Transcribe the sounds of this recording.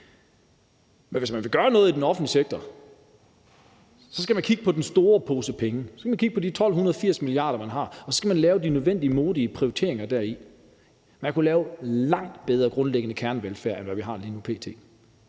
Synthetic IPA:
menʋe̝smænʋe̝ɡ̥ɶːɐnɔ̽ːð̩ˠidenɒ̽fn̩dliseɡ̥̚t͡sʰɐ | sɒ̽sɡ̥æmænkʰiɡ̥əpʰɒ̽d̥ensd̥o̝ːɐpʰo̝ːsəpʰeŋəsɒskæmænkʰiɡ̥əpʰɒ̽d̥it͡sʰɒ̽l̰ɦunɐð̞ˠfiɐ̰smiliɑ̰̈ːd̥ɐmænɦɑ̈ɒ̽sɒ̽sɡ̥æmænlɛːʊd̥inøð̞ˠʋen̰d̥iəmo̝ːðˠiəpʰʁioit͡sʰe̝ɐe̝ŋɐd̥æɐ̰i | mænkʰulɛːʊlɑ̈ŋ̰d̥b̥eð̞ˠɐɡ̥ʁɔ̽nleɡ̥ənəkʰæɐnʋelfæɐ̰enʋæʋiɦɑ̈ːliːnupʰe̝̰ːt͡sʰe̝̰ː

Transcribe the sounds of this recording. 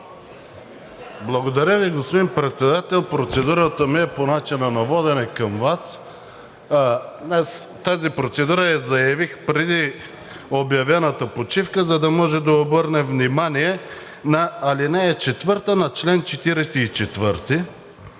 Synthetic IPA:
blˠɐɡod̪ɐɾʲəviɡospod̪inpɾɛt̪sɛd̪at̪ɛlˠpɾot̪sɛd̪uɾət̪əmiɛponat͡ʃinɐnɐvɔd̪ɛnɛkɐmvas | d̪nɛst̪azipɾot̪sɛd̪uɾəjɐzɐjɐvixpɾɛd̪i | objɐvɛnət̪əpot͡ʃifkəzɐd̪ɐmɔʒɛd̪ɐobɤɾnɛvnimaniɛ | nɐːlinɛːt͡ʃɛt̪vɤɾt̪ənɐt͡ʃlɛnt͡ʃɛt̪iɾɛsɛit͡ʃɛt̪vəɾt̪i

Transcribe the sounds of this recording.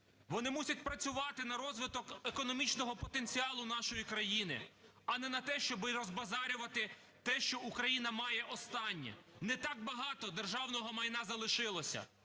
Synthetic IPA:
ʋɔnɪmusʲɐt̚ʲpɾɐt͡sʲʊʋɑt̪ɪnɐɾɔzʋɪt̪ɔkekɔnɔmʲit͡ʃnɔɦɔpɔt̪enʲt͡sʲiɑlˠʊnɑʃɔjikɾɐjinɪ̰ | ɐnɛnɐt̪ɛʃt͡ʃɔbɪɾɔzbɐzɑɾʲʊʋɐt̪ɪ | t̪ɛʃt͡ʃɔukɾɐjinɐmɑjɛʔɔst̪ɑnʲːɛ̰nɛt̪ɑk̚bɐɦɑt̪ɔd̪erʒɑwnɔɦɔmɐjnazɐlˠɪʃɪlˠɔsʲɐ̰

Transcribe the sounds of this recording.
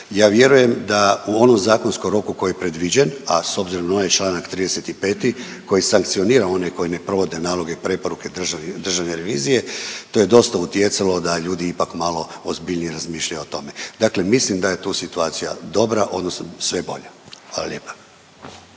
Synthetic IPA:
jaːʋje̞ɾuje̞md̪auo̞no̞mzaːko̞nskomɾo̞kuko̞jijepɾed̪ʋid͡ʑe̞naso̞bziɾo̞mnaonajt͡ʃlaːnakt̪ɾiːd̪eset̪ipe̞ːt̪i | ko̞jisaŋk̚t̪sio̞niːɾao̞neko̞jine̞pɾo̞ʋo̞d̪e̞naːlˠo̞ɡe̞ipɾe̞po̞ɾuke̞d̪ʒd̪r̩ʒaʋne̞ɾe̞ʋiːzije̞t̪o̞je̞d̪o̞st̪aut̪je̞t̪salo̞d̪aʎuːd̪iipakmalˠo̞ozbiʎnijeɾazmiːʃʎajuot̪o̞me̞d̪akle̞mislimd̪aje̞t̪uːsit̪uaːt̪sija̰d̪o̞bɾaʔo̞d̪no̞snosʋe̞bo̞̰ʎaxʋaːlˠa̰lʲje̞ːpḁ

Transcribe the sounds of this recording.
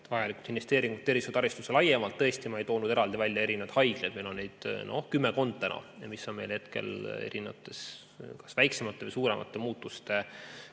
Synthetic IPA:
t̪vɑjɑlikˑu̥lt̪invest̪e̞ːɾiŋɡut̪ːe̞rvisud̪ɑɾist̪uselɑjemɑlt̪ːɤ̞est̪imɑejt̪oːnud̪e̞ɾɑld̪̥ivælʲjɑe̞ɾinevd̪̥hɑjɡ̥lejd̪̥melo̞nːejd̪̥no̰hkymːeko̞nd̪̥̚t̪ænɑ̰ɑmisːo̞nme̞jlhet̪ke̞̰le̞̰ɾineɑ̰t̪ːˑe̞s | kɑ̥svæjksemɑt̪ːe̞vɯjsuːɾe̞mʔɑ̰t̪ːˑe̞muːt̪ːˑust̪e̞

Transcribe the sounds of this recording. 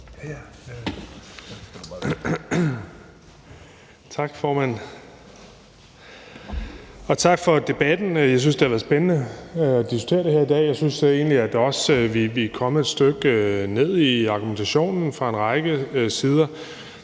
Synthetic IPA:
t͡sʰɑ̈ɡ̥fɒːmæn̰ | ɒ̽t͡sʰɑ̈ɡ̥fɒ̽d̥e̝b̥æd̥n̩jɑ̈ɪs̬ynsd̥e̝hæʋæðˠsb̥enənəɒd̥isɡ̥t͡sʰe̝̰ːɐd̥eheɐ̰id̥ɛ̰ːjɑ̈ɪsynse̝ːnliæd̥ɒ̽sʋiʋikʰɒ̽məe̝d̥sd̥øɡ̥øne̝ð̞̰ˠiɑ̈ɡ̥ument͡sʰæɕo̝̰ːnn̩fʁɑ̈e̝nʁɑ̈ɪɡ̥əsiːð̞ˠɐ

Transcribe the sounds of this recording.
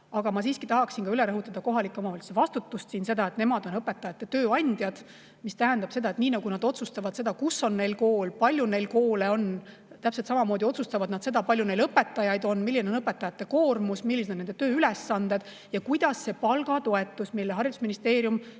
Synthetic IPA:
ɑɡ̥ɑmɑs̬iːskit̪ɑɦɑksinkɑyle̞ɾɤɦut̪ːˑɑd̪̥ɑko̞ɦɑlikːˑeomɑvɑlt̪su̥sevɑst̪ut̪ːust̪siːnse̞d̪ɑe̞t̪ne̞mɑd̪̥o̞nɤpːe̞t̪ːˑɑjɑt̪ːe̞t̪øːɑnʲd̪̥jɑd̪̥ | mist̪æɦænd̪ɑb̥se̞d̪ɑe̞t̪niːnɑɡunɑd̪̥o̞t̪sust̪ɑvɑd̪se̞d̪ɑkusːo̞nːe̞jlko̞ːlpɑlʲjune̞jlkoːleo̞n | t̪æpselt̪sɑmɑmo̞ːd̪io̞t̪sust̪ɑvɑd̪̥nɑd̪se̞d̪ɑpɑlʲjune̞jlɤpːe̞t̪ːˑɑjɑjd̪̥o̞nmilːineonɤpːˑe̞t̪ːˑɑjɑt̪ːˑe̞ko̞ːrmusmilːisnned̪et̪øːylesːɑnd̪e̞d̪̥ | jɑkujd̪̥ɑsːe̞pɑlɡ̥ɑt̪o̞e̞t̪ːˑusmilːeɦɑrjid̪u̥sminist̪e̞ːɾjum

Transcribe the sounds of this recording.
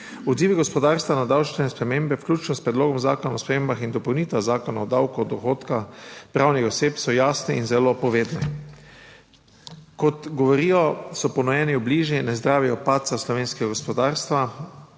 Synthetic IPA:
ɔd̪ziːʋiɡɔspɔd̪aːɾst̪ʋanad̪awt͡ʃnɛɛspɾɛmeːmbɛwklʲuːt͡ʃnɔspɾɛd̪loːɡɔmzaːkɔnaɔspɾɛmembaxind̪ɔpɔwniːt̪ʋazaːkɔnaɔd̪awkuɔd̪ɔxoːt̪kaxpɾaːwnixɔseːpsɔjaːsnɛinzɛlopɔʋeːd̪nɛ | kɔt̪ɡɔʋɔɾiːjɔsɔpɔnɔjɛːniwbliʒjinɛzd̪ɾaːʋiɔpaːt̪t̪saslɔʋeːnskɛɡaɡɔspɔd̪aːɾst̪ʋa

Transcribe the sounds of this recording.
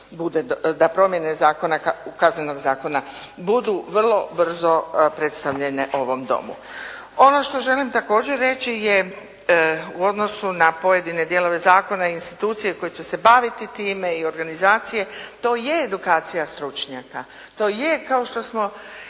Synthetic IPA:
bud̪ed̪apɾo̞mje̞nezaːko̞nakakazneno̞ɡzaːko̞nabud̪uʋr̩lˠo̞br̩zo̞pɾe̞t̪st̪aʋʎe̞ne̞ʔo̞ʋo̞md̪o̰mṵ | o̞no̞ʃt̪o̞ʒe̞limt̪ako̞ːd͡ʑe̞ɾːe̞t͡ɕije | uo̞d̪no̞sunapo̞je̞d̪ine̞d̪je̞lo̞ʋe̞zaːko̞naiinst̪it̪uːt̪sijeko̞jet͡ɕe̞se̞baʋit̪it̪iːme̞io̞ɾɡanizaːt̪sije̞t̪o̞ːjeːd̪ukaːt̪sijast̪ɾut͡ʃɲaka | t̪o̞ːje̞kao̞ʃt̪o̞smo̞

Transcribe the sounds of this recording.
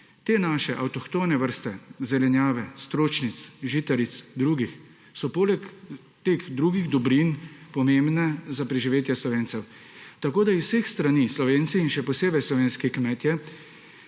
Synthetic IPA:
t̪eːnaːʃɛʔawt̪ɔxt̪oːnɛʋəɾst̪ɛzɛlɛnjaːʋɛst̪ɾoːt͡ʃnit̪sʒit̪ɛɾit̪sd̪ɾuːɡix | sɔpoːlɛk | t̪eːɣd̪ɾuːɡiɣd̪ɔbɾinpɔmembnɛzapɾɛʒiʋeːt̪jɛslɔʋeːnt̪sɛw | t̪akoːd̪aiwsexst̪ɾaniːslɔʋeːnt̪siːnʃɛpɔseːbɛjslɔʋeːnskikmɛt̪jɛ

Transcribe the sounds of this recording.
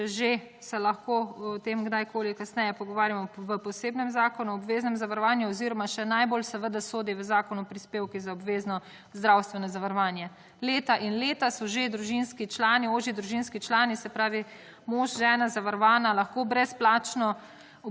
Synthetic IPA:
ɛʒe | sɛlɐxkoːɔt̪eːmɡd̪ajkʰoːlikasnɛjɛpɔɡɔʋaːɾjamɔʋəpɔseːbnɛmzaːkɔnuɔbʋeːznɛmzaʋaɾɔʋaːnjuɔziɾɔmaʃɛnajbolsɛʋəd̪asoːd̪iʋəzaːkɔnupɾispeːwkizaɔbʋeːznɔ | zd̪ɾawst̪ʋɛnɔzaʋaɾɔʋaːnjɛ | leːt̪aʔinleːt̪asɔʒed̪ɾuʒinskit͡ʃlaːnioːʒid̪ɾuʒinskit͡ʃlaːnisɛpɾaːʋi | moːʒʒɛːnazaʋaɾɔʋaːnalaxkoːbɾɛsplaːt͡ʃnɔ

